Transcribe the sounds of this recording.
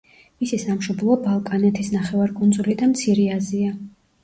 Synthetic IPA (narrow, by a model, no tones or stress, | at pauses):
misisamʃɔblˠɔbalˠkʼanɛt̪ʰisnaχɛvaɾkʼund̪zulid̪amt̪sʰiɾɛazia